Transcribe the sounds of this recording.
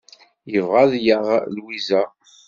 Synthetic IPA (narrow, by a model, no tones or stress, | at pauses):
jəvʁaðjəʁlwizæ